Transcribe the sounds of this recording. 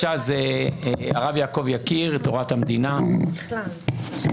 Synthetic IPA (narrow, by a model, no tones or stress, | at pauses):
aze | a̰ʁavjaːko̞vjakiʁt̪oʁat̪hamd̪ina